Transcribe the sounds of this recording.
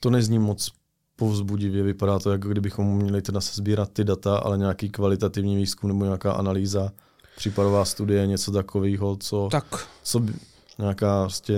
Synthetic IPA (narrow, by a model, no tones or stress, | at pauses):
t̪onɛzɲiːmot͡s | po̞vzbuɟɪvjɛvɪpadaːt̪ojakoɡdɪbɪxomːɲɛlɪt̪ɛdasɛ̥zbiːɾat̪̚ːɪdat̪aʔa̰lɛɲaːkiːkvalɪt̪at̪ɪvɲiːviːskumnɛboɲaːkaːʔa̰naliːza | pr̥iːpadovaːst̪udɪjɛɲɛt͡sot̪akʰoviːɦot͡so̞t̪akt͡sobɪ | ɲaːkaːɾoscɛ